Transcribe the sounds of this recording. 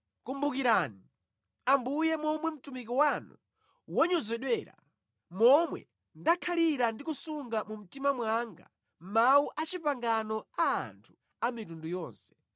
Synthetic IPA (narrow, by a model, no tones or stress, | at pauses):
kumbukiɾaːni | ambujɛmɔmwɛm̩tumik̬ɔwanṵ | wɔɲɔzɛɗwɛːɾa̰ | mɔmwɛ̰ | ndakʰaliɾandikusuŋɡamum̩timamwaŋɡa̰ | mauʔat͡ʃipaŋɡanɔa̰ːntʰu̥ | amitundujɔːnsɛ̥